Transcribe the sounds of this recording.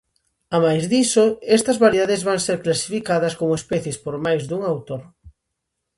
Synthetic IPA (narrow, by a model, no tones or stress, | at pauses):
amajzðisoɛst̪ɐzβaɾjðaðezβaŋseɾklasi̥fikaðɐskomoespɛθjespoɾmajzðuŋawt̪oɾ